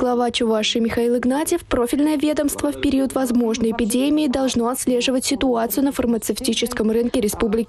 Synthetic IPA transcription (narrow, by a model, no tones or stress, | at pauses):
ɡ̥lˠɐvat͡ɕʊvaʂɨmʲɪxɐilˠɨɡnatʲɪfpɾo̞fʲɪlʲnəjəvʲe̞d̪əmst̪vəfpʲɪɾʲiət̪vɐzmo̞ʐnəjɪpʲɪdʲemʲɪːd̪ɐlˠʐno̞ɐt̪sʲlʲe̞ʐɨvətʲsʲɪt̪ʊat̪sɨjʊnəfərmət̪sɨftʲit͡ɕɪskəmrɨnkʲɪɾʲɪspublʲɪkʲ